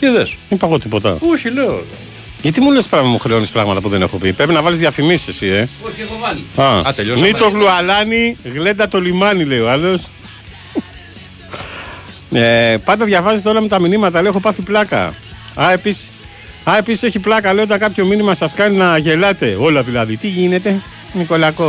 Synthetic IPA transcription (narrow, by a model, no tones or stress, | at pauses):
eðesipɐɣo̞t̪ipo̞t̪ɐ̰oçileo̰ | ʝɐt̪imulespɾɐɣɐt̪ɐmuxɾeo̞nispɾɐɣmɐt̪ɐpuðene̞̰xo̞pipɾepinɐvɐlizðjɐfimisisie | ɐɐt̪eʎonit̪oɣluɐlɐniɣle̞nd̪ɐt̪o̞limɐnile̞ioɐlo̞s | epɐnd̪ɐðʝɐvɐzet̪eo̞lɐmet̪ɐminimɐt̪ɐleexo̞pɐθiplɐkɐ̰ | ɐe̞pisi̥ | ɐe̞pisi̥se̞çiplɐkɐle̞oot̪ɐŋkɐpço̞minimɐsɐskɐninɐʝe̞lɐt̪e̞o̞lɐðilɐðit̪iʝine̞t̪e̞ | niko̞lɐko̞